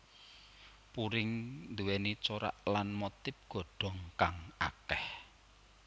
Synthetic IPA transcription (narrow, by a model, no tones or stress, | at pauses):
puɾɪŋnd̪uwɛnit͡ʃoɾa̰ʔlanmot̪ɪp̚ɡ̥ɔ̤ɖ̥ɔ̤ŋkaŋa̰kɛh